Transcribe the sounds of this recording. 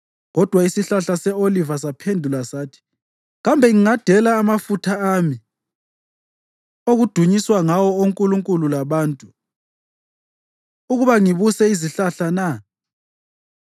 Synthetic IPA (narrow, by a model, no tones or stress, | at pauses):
ɣɔd̥ʱwaisiɬaɬasɛolivasapʰendʱulasaːtʰi̥ | ɣambʱɛŋiŋad̥ʱɛlaːmafutʰaami | oɣud̥ʱuɲiswaŋawɔoŋkʼuluŋkʼululaβaːntʼu | uɣuβaŋiβusɛiziɬaɬana